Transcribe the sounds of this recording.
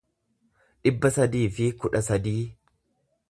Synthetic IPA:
ᶑɪbːɐsɐd̪iːfɪkʊᶑɐsɐd̪iː

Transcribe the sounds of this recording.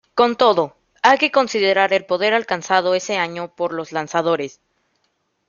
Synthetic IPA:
ko̞nt̪o̞ðo̞ | ajke̞ko̞nsiðe̞ɾaɾe̞lpo̞ð̞e̞ɾalkansað̞o̞e̞se̞aɲo̞po̞ɾlo̞zlansað̞o̞ɾe̞s

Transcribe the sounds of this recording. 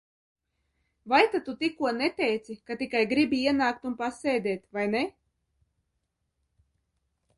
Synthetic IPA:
vajt̪at̪ut̪ikuɔnɛt̪ʲɛjt̪sikat̪ikajɡɾibʲiiɛnaːk̚t̪unpasɛjd̪ʲɛːt̪ʲvajnɛ

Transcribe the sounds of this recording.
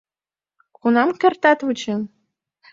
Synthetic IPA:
kunɑmkʲɘ̆rt̪æt̪vut͡ɕɘ̆n

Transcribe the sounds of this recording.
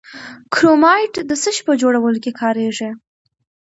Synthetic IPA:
kɾomɑjʈd̪əsəʃpəd͡ʒoɽawəlokekʰɑɾeʐe

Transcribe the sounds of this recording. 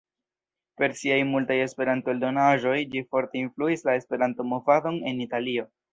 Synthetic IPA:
pe̞ɾsiajmultaje̞spe̞ɾanto̞eldo̞naʒo̞jd͡ʒifo̞ɾte̞influislae̞spe̞ɾanto̞movado̞ne̞nitalio̞

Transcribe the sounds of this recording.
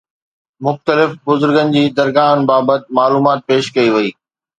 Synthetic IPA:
mʊxt̪əlɪfbʊzʊɾɡənɪ̆d͡ʑiːd̪ɐɾɡaːɦənɪ̆baːbət̪̚maːluːmaːt̪̚peːʃkɐiʋɐiː

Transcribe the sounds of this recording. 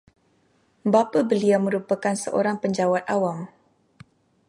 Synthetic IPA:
bapabəliawməɾupakansə̰ʔo̰ɾaŋpəɲd͡ʒawat̪̚ʔawam

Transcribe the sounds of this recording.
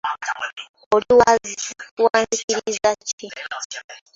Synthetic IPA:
oɾiwazikuwaːnzikiɾizaci

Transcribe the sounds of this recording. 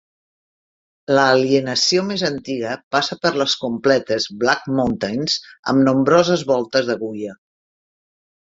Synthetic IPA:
ləːliənəsiomezənt̪iɣəpasəpəɾləskumplɛt̪əzβlakmunt̪anzə̰mnumbɾɔzəzβɔlˠt̪əzðəɣujə

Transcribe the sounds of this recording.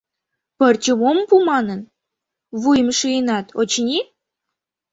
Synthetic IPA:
pərt͡ɕə̆mompumɑnən | βujmʃɯjənɑt̪ot͡ɕnʲi

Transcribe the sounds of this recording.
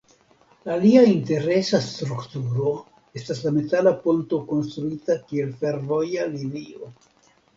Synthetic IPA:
aliainte̞ɾe̞sast̪ɾuktuɾo̞ | e̞staslame̞talaponto̞ko̞nst̪ɾuitakie̞lfe̞ɾvo̞jalinio̞

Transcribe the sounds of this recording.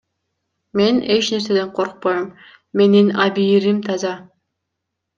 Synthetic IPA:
me̞ne̞t͡ʃne̞ɾse̞d̪e̞ɴqʰoɾq̚pojomː | e̞ninɑbiːɾimt̪ʰɑzɑ

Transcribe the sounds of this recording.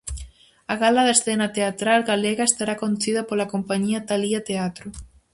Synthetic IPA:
aɣalaðesθenat̪eat̪ɾalɣaleɣaest̪aɾakond̪uθiðapolakompaɲiat̪aliat̪eat̪ɾo

